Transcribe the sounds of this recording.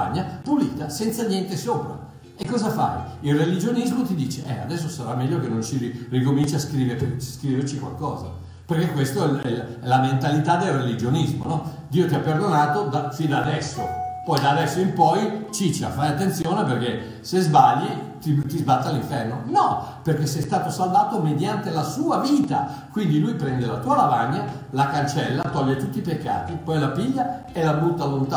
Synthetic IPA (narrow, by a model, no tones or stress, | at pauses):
a̰ɲːapuliːt̪asɛnt̪sanjɛnt̪esoːpɾa̰ | ekːɔːzafa̰iilrːelid͡ʒonizmot̪id̪iːt͡ʃeʔɛa̰d̪ɛs̬ːosaɾamːɛʎːokenːont͡ʃiirikomint͡ʃaskɾiːveɾskɾiveɾt͡ʃikwa̰lkɔːza̰ | perk̟ekwest̪oɛɛɛlament̪alit̪ad̪elrelid͡ʒonizmo̰nɔ | d̪iːot̪iapːerd̪onaːt̪od̪afind̪ad̪ɛsːo̰pɔjd̪aːd̪ɛsːoimpɔjt͡ʃit͡ʃia̰fɾajat̪ːent̪sjoːneperke | sezbaʎːit̪it̪izbat̪ːaliɱfɛrnonɔperk̟esɛjst̪aːt̪osalvaːt̪omed̪jant̪elasuːaviːt̪a̰kwind̪ilujpɾɛnd̪elat̪uːalavaɲːa | lakant͡ʃɛlːat̪ɔʎːet̪ut̪ːipekːa̰ːt̪ipɔjlapiʎːa | elabut̪ːalont̪a